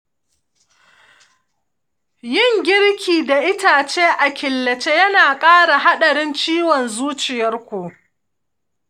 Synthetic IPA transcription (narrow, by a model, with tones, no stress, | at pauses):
jɪ˦˨ŋɡʲɪ˦ɽkʲiː˨da˨ʔɪ˦taː˨t͡ʃeː˦ʔa˨kʲɪ˨lːɐ˨t͡ʃe˦jɐ˦naː˨kʼaː˦ɽa˨ɦa˦ɗɐ˨ɽɪ˦nt͡ʃiː˦wɔ˨nzuː˦t͡ʃɪ˨jɐ˦rkʷu˨